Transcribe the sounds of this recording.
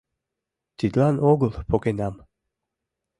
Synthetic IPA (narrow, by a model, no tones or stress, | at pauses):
t̪id̪lanoɡlˠpokenam